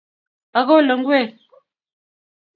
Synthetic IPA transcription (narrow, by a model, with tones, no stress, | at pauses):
a˨ɣo˦lə˨ŋ̩˦ɡwe˦˨